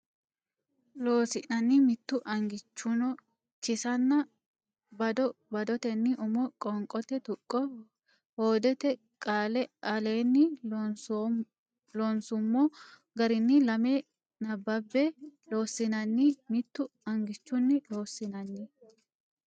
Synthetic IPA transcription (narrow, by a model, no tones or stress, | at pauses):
loːsɪʔnɐnːɪmɪt̪ːʊʔɐŋɡɪt͡ʃːʊnɔ | t͡ʃɪsɐnːɐ | bɐd̪ɔbɐd̪ɔt̪ɛnːɪʔʊmɔkʼɔŋkʼɔt̪ɛt̪ʊkʼːɔ | hoːd̪ɛt̪ɛ | kʼaːlɛɐle̞ːnːɪ | lonsʊmːoː | ɡɐɾɪnːɪlɐme | nɐbːɐbːɛlo̞ːsːɪnɐnːɪmɪt̪ːʊɐŋɡɪt͡ʃːʊnːɪlo̞ːsːɪnɐnːɪ